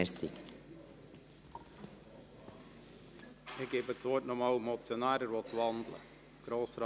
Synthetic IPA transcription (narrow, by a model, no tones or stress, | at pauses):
əsḭ | ɪɡebət͡sʋoːtnɔmɑːlmɔt͡sjɔnæːɾəɾʋot̪ʋɑndlə̰ | ɡ̥ɾoːsɾ